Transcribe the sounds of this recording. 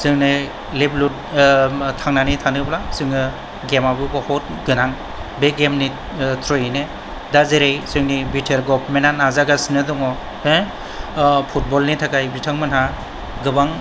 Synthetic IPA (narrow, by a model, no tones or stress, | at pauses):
sɯŋnɯ | leblut̚ | tʰaŋnanitʰanɯplasɯŋɯ | ɡemabɯbɔhɔt̚ | ɡɯnaŋ | beɡemni | tʰɾɔjne | dazeɾejsɯŋnibitʰeɾɡɔpʰmenanazaɡasnɯdɔŋɔ | e | pʰut̚bɔlnitʰakajbitʰaŋmɯnɦa | ɡɯbaŋ